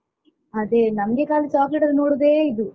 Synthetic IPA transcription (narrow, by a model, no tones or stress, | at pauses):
ɐd̪eːnɐmɐɡe̞ːkaːlit͡ʃaːkleʈɐd̪noːɽud̪eːid̪u